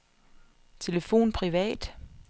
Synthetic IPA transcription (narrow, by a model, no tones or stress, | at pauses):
t͡sʰe̝ləfo̝̰ːnpʰʁiʋɛ̰ːd̥